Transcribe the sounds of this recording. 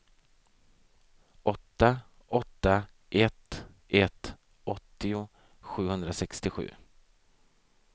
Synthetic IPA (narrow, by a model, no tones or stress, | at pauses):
ʔɔt̪ːa | ɔt̪ːa | ʔɛt̪ | ʔɛt̪ː | ɔt̪ːɪʊ | ɧʉ̟ːhɵnd̪ɾasɛkst̪ɪɧʉ̟̰ː